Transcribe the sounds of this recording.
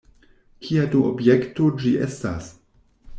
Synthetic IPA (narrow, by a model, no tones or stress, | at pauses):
kʰiaduobjektod͡ʒiʔesta̰s